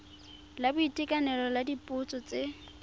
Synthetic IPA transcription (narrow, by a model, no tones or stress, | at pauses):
labʊitʼɪkʼanɛlɔladipʼʊt͡sʼɔt͡sʼe